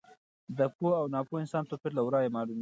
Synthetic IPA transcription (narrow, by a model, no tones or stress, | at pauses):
d̪əpoawnɑpoɪnsɑnt̪opɪɾlawɾɑjemɑlum